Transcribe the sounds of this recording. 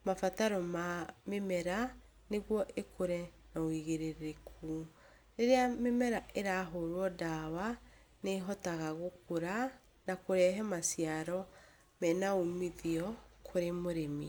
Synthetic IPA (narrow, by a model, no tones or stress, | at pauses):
mafataɾɔmamemɛɾa | neɣwɔʔekʰoɾɛ | nawiɣeɾeɾekʰu | ɾeɾeamemɛɾaʔeɾaːɦoɾwɔdawa | neɦɔtaɣaɣokoɾa | nakoɾɛɦɛmasjaɾɔ | mɛnaomiðiɔkʰoɾemoɾemi